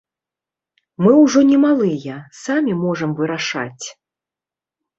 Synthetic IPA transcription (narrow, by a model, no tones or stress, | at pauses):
mɨwʐɔnʲɛmalˠɨjɐsamʲimɔʐɐmvɨɾaʂa̰t͡sʲ